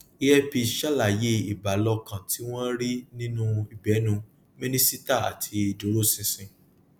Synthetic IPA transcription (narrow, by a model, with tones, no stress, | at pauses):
i˦jɛ˦fi˧ʃa˦la˨je˦i˨ba˨lɔ˧kã˨ti˦w̃ɔ̃˦ɾi˦nĩ˦nũ˦i˨bɛ˨˦nũ˧ | mĩ˦nĩ˦si˦ta˦˨a̰˨tʰi˧i˨dũ˨˦ɾo˦˨sĩ˧sĩ˧